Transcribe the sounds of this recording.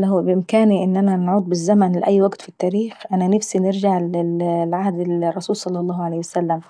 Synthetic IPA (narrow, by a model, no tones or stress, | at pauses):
lahbɪʔɪmkaːniʔɪnːʔanænʕuːd̪̚bɪzːamænlɪʔæjːwaɡt̪fit̪ːæːɾiːxʔanænafsinɪɾd͡ʒaʕɪlʕahd̪ɪlrˤːɑsuːlsˤɑlːɑlˤːɑːhʕalejhwasalːæm